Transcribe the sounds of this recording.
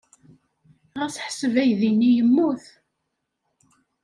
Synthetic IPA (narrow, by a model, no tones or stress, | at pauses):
ʁæsħsəvæjðinːijəmːuθ